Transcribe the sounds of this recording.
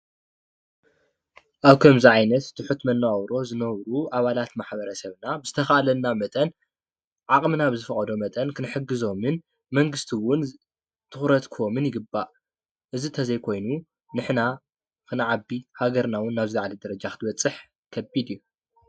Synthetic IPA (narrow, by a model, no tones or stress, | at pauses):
ʔaβkʰɐmziʕajnɐt̪ːʰɨħut̪mɐnːwawɾo̞zɨnɐβɾuʔaβalat̪maħbɐɾɐsɐβnabɨzɨt̪ʰɐxaʔalɐnːamɐt̪ʼɐn | ʕakʼmɨnabɨzɨfɐχʼɐd̪o̞mɐt̪ʼɐnkʰɨnɨħɨɡɨzo̞mɨn | mɐŋɡɨst̪ʰiwʊn | t̪ʰɨxɾɐt̪kʰomɨnjɪɡɨbːaʔ | ʔɨzit̪ʰɐzɐjkʰo̞jnu | nɨħna | kɨnʕabihaɡɐɾnawʊnːaβzɨlaʕalid̪ɐɾɐd͡ʒakɨt̪ʰɨbɐt͡sʼːɨħ | kʰɐbid̪iju